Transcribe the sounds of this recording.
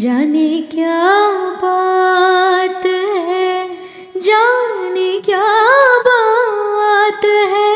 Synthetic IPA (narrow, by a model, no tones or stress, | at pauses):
d͡ʒaːnikjaba | t̪ɦɛ | d͡ʒanikjaːba | t̪ɦɛ